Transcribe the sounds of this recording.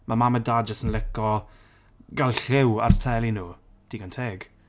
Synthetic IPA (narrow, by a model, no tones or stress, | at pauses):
mʔamamədaːd͡ʒəstənlɛkɔ | ɡalˠɬɪwa̰rtʰɛlˠinuː | d̥iːɡantʰeːɡ̥